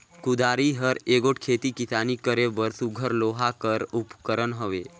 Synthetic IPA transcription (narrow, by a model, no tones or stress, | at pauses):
kud̪aɾiɦəɾeɡoʈkʰet̪ikit̪anikəɾeʋəɾsuɡʱəɾloɦakəɾupkəɾənɦəʋe